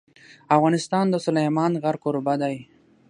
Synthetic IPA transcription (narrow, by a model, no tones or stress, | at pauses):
afɣɑnɪst̪ɑnd̪əsʊlajmɑnɣaɾkoɾbad̪aj